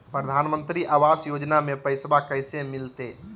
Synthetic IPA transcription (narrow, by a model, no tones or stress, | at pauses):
pɾəd̪ʱanmə̃nt̪ɾiʔaʋasjod͡ʒnamepəɪsbakəjsemilt̪e